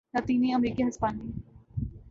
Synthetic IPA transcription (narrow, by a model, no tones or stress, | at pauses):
laːt̪iːniɐmɾiːkiɦɐspaːni